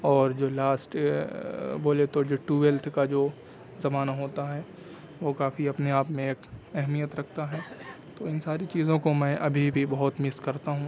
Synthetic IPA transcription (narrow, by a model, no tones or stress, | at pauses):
ɔːɾd͡ʒoːlaːsʈ | boːlet̪od͡ʒoːʈuːʋelt̪ʰkad͡ʒoː | zɐmaːnaɦoːt̪aɦɛː | ʋokaːfiɐpneaːpmẽeːkɛɦmijət̪ɾɐkʰt̪aɦɛː | t̪oɪnsaːɾit͡ʃiːzõkomɛ̃ʔɐbʱibʱibɐɦʊt̪mɪskɐɾt̪aɦũ